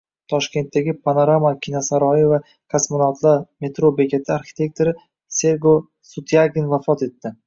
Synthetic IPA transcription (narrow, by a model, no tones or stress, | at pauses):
t̪ʰɒʃkʲe̞nt̪ːaɡʲɪpʰanoɾamakʲʰinasaɾɒjɪva | kʰasmonat̪ʰlˠaɾme̞t̪ɾobe̞kʲʰe̞t̪ʰɪaɾxʲɪ̥t̪ʰe̞k̚t̪ʰoɾɪ | se̞ɾɡo | sut̪ʰjaɡʲɪnvafɒt̪e̞t̪ːɪ